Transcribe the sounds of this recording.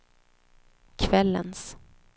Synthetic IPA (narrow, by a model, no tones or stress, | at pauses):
kʰvɛlːə̰ns